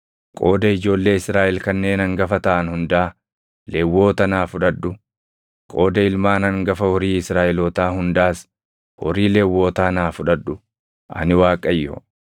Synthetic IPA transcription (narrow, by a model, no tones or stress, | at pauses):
kʼo̞ːd̪ɐɪd͡ʒo̞ːlːe̞ːɪsɾaːʔɛlkɐnːe̞ːnɐŋɡɐfɐt̪ɐʔɐnhʊnd̪ɐaː | lewːo̞ːt̪ɐnaːfʊᶑɐᶑʊ | kʼo̞ːd̪ɐɪlmaːnɐŋɡɐfɐhɔɾiːɪsɾaːʔɛlɔːt̪aːhʊnd̪aːs | hɔ̰ɾiːlewːo̞ːt̪aːnaːfʊᶑɐᶑːʊ | ʔɐ̰nɪwaːkʼːɐjːɔ̰